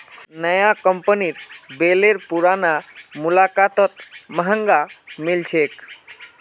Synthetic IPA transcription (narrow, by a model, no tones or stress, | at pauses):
nəjakəmpəniɾbeleɾpuɾanamulakat̪ət̪məɦəŋɡamilt͡ʃʰek